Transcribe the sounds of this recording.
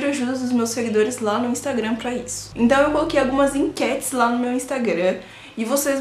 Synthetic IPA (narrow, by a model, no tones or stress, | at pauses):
ɾʊaʒud̪ɐd̪ʊzmewseɡid̪oɾɪzlanʊĩst̪aɡɾɐ̃pɾɐisʊ̥ẽnt̪ɐ̃w̃ewkolokejawɡũmɐzĩkɛt͡ʃɪ̥zlanʊmewĩst̪aɡɾɐ̃ | ɪvosez